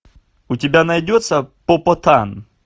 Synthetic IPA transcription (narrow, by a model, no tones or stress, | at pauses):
ʊtʲɪbʲanɐjdʲot̪səpopɔt̪an